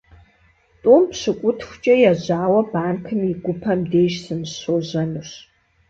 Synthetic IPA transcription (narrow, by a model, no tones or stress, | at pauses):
tʼumpɕɨkʷʼʊtʰxʷʊt͡ʃʼɐjaʑaːwɐbaːnkʰɨmiɡʷʊpʰɐmdeːʃsɨmɕoːʑɐnɨɕ